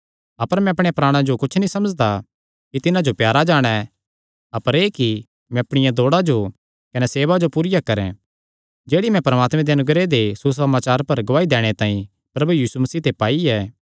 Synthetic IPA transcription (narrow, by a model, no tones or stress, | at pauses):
ɐpəɾmɛ̃ɐpɽ̃eapɾaːɽ̃ãd͡ʒokʊt͡ʃʰnĩsɐməd͡ʒd̪a | kit̪ɪnãd͡ʒopjaːɾad͡ʒaːɽ̃ɛ | ɐpəɾeːki | mɛ̃ɐpɽ̃ɪjãd̪oːɽad͡ʒo | kɐnɛseːʋad͡ʒopuːɾɪjakɐɾɛ̰̃ | d͡ʒeːɽimɛ̃pɐɾɐmaːt̪mɛ̃d̪eɐnʊɡɾed̪esus̬ɐmaːt͡ʃaːɾpɐɾɡʊʋaːid̪ɛːɽ̃et̪ãːĩ | pɾɐbujiːsumɐsiːt̪ʰepaːiɛː